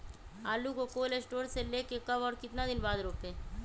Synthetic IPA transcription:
aːlukokoːlesʈoːɾseleːkekɐbɔːɾkɪt̪nad̪ɪnbaːd̪ɾoːpẽː

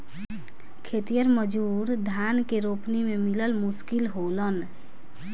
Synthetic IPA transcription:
kʰet̪ijəɾməd͡ʒuɾd̪ʱankeɾopnimemiləlmuskilɦolən

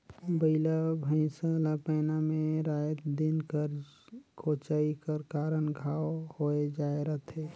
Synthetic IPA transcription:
bəɪlabʱə̃səlapəːnameɾajət̪d̪inkəɾ | kʰot͡ʃaikəɾkaːɾənɡʱaːwhoed͡ʒaːeɾəɦt̪ʰe

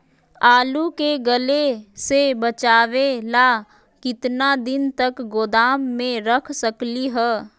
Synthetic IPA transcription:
aːlukeɡəlesebət͡ʃaːʋelaː | kɪt̪nad̪ɪnt̪əkɡoːd̪aːmːẽɾəkʰsəkliɦɛː

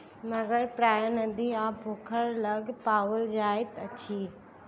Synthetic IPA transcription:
mɐɡəɾpɾaːjənəd̪iaːbʱoːkʰəɾlɐɡpaːʋəld͡ʒaːɪt̪ɐt͡ʃʰiː

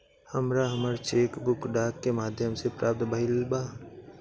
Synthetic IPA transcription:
həmɾaɦəməɾt͡ʃeːkbʊkɖaːkːemaːd̪ʱjəmsepɾʔaːp̚t̪bɐɦɪlbaː

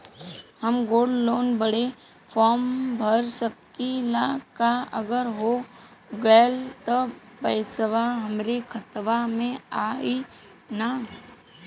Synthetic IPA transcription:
həmɡoːɖloːnbəɽe | fʰɔːmbʱəɾsəkilakaə̰ɡəɾɦoɡəːlt̪opəjsəʋaɦəmɾekʰət̪ʋamẽaːi | na

